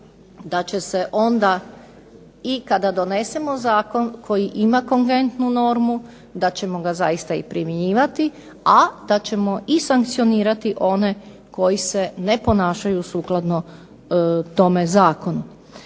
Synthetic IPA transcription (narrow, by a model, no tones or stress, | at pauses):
d̪at͡ɕe̞se̞ʔo̞nd̪a | ikad̪ad̪o̞ne̞se̞mo̞zaːko̞nkʰo̞jiʔimakoŋɡɾent̪nuno̞ɾmu | d̪at͡ɕe̞mo̞ɡaza̰jist̪aḭpɾimjeɲiːʋat̪i | ad̪̥at͡ɕe̞mo̞ʔisaŋkt̪sio̞niːɾat̪iʔo̞ne̞ | ko̞jise̞nepo̞naːʃajusuːklˠad̪no | t̪o̞mezaːko̞nu